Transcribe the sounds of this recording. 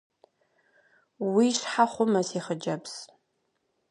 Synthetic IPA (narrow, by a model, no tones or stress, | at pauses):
wiʂħaχʷʊmɐsiχəd͡ʒɐps